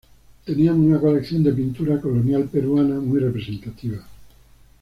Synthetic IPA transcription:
t̪e̞niaŋunako̞lekθjo̞nd̪ep̬int̪uɾako̞lonjalpe̞ɾuanamujre̞pɾese̞nt̪at̪iβ̞a

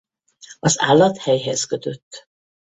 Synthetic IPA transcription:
ɒza̰ːlːɒt̪hɛjɦɛzkøt̪ø̞t̪ː

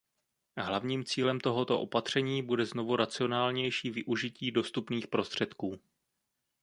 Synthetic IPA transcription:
ɦlavɲiːmt͡siːlɛmt̪o̞ɦo̞t̪o̞ʔo̞̰pat̪r̝̥ɛɲiːbudɛzno̞vuɾat͡sɪo̞naːlɲɛjʃiːvɪʔuʒɪciːdo̞st̪upniːxpɾo̞st̪r̝̥ɛt̪kuː

